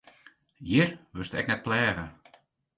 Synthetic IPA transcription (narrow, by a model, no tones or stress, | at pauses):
jirʋøstɛ̰knɛt̚plɛːɣə